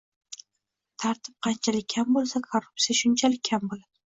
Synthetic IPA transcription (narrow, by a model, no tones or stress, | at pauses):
t̪ʰaɾt̪ʰɪ̥p̚qʰɑnt͡ʃʰalɪk̚ʲʰːambolˠsakʰorːʊp̚sijaʃʊnt͡ʃʰalɪkʲʰːambolad̪̥ɪ